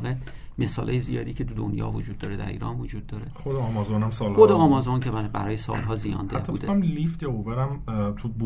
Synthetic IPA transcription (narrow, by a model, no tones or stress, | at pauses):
ɣe | me̞sɒːlʔɒːjezijɒ̰ːd̪iːcʰe̞t̪ʰud̪o̰njɒ̰ːvod͡ʒuːd̪̚ːɒːɾed̪æ̰ɾḭːɾɒ̰ːnvod͡ʒuːd̪ːɒːɾe̞χod̪eɒːmɒzonæmsɒːlod̪eɒːmɒzo̞ncʰebæɾɒːjesɒ̰ːlɦɒːzijɒ̰ːnd̪eth̪ʰːudd̪emlift̪jɒoveɾæmt̪ʰub